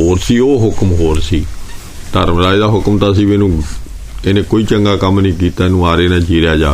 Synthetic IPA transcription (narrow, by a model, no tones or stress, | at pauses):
ɦoːɾsiːoːɦʊkmɦoːɾsiː | t̪əɾmɾaːid̪aːɦʊkmt̪aːsiːmẽːnũː | eːnẽːkoːiːt͡ʃəŋɡaːkəmnĩːkiːt̪aːeːnũːaːɾeːnãːd͡ʒiːɾjaːd͡ʒaː